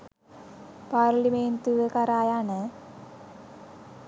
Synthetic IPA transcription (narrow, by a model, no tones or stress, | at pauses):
paːrliment̪uʋɨkɐɾaːjaːɳɨ